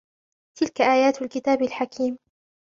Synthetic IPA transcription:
t̪ɪlkaʔaːjaːt̪alkɪt̪aːbalħakʰiːm

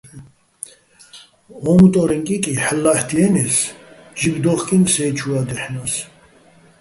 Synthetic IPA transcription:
ɔmut̪ʼɔɾɛŋkʼikʼiħlːaħt̪ʰiɛnɛs | d͡ʒibd̪ɔχkʼinsɛːt͡ʃʰuad̪ɛħnas

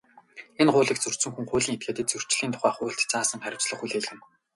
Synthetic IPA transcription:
enχʊːɮiːk̚t͡sɵr̥sɵ̆ŋxuŋχʊːɮiːŋet̪̚ɡeːt̪et̪̚t͡sɵr̥t͡ɕɮiːnt̪ʰʊ̥χæːχʊːɬt̪t͡saːsə̆ŋχæɾʲɪ̆w̥t͡sɮə̆χuɮeːɮɘ̆n

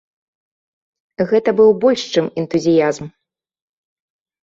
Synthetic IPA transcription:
ɣɛt̪ɐbɨwbɔlʲʂt͡ʂɨmɛnt̪uzʲijazm

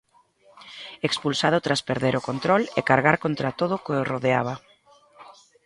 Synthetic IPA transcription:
ekspulsaðʊt̪ɾaspeɾðeɾokont̪ɾɔlḛkaɾɣaɾkont̪ɾat̪oð̞ʊkoeroðeaβ̞ɐ

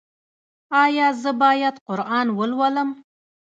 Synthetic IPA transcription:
ɑjɑzəbɑjad̪qʊɾʔɑnwəlwaləm

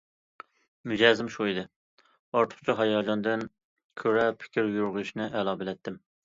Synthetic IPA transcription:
myd͡ʒɛzɪmʃuid̪ɨ | ɑɾt̪ʰʊ̥χt͡ʃʰiɦɑjɑːd͡ʒɑnd̪ɨn | kʲʰøɾɛpʰɪ̥kʲʰɪɾjuɾʁʊɪʃnɪʔɛlˠɑbɪlɛt̪ʰːɪm

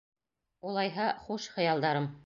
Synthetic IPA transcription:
ulˠɑjɦɑχuʃχɤ̆jɑlˠd̪ɑɾɤm

